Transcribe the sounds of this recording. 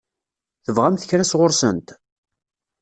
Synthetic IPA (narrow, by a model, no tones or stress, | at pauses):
θəvʁæmθəçɾæsʁʊɾsənt̪